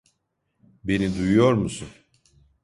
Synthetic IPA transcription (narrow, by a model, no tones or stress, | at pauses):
be̞nid̪ujujo̞ɾmusun